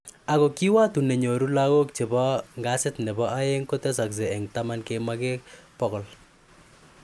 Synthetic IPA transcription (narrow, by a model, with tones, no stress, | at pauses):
a˨kɔ˨ki˦wa˦tu˨nɛ˨ɲo˨ɾu˦la˦ɣo˦k̚t͡ʃe˨bɔ˦ŋɡa˦sɪ˦tnɛ˨bɔ˦a˦je˦ŋko˦tɛ˦s̬a˨ks̬ɛ˨ɛ˨ŋta˦ma˦nke˦ma˦kekpɔkɔ˨l